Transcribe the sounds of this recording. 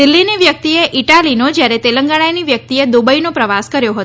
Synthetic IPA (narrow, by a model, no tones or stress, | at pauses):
ɪlːiniʋjək̚t̪ieʔiʈalinod͡ʒjaɾet̪eləŋɡaɽ̃ajniʋjək̚t̪ied̪ubəinopɾəʋaskəɾjoɦət̪o